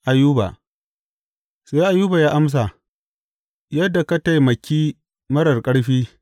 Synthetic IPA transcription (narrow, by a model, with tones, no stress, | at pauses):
ʔa˨juː˦ba̰˨ | saː˦ʔa˨juː˦ba˨jaː˦ʔa˦ms̬a˨ | jɐ˦dːa˨ka˦ta˦jmɐ˨kʲiː˦ | mɐ˦ɽɐ˨rkʼɐ˦ɽɸiː˦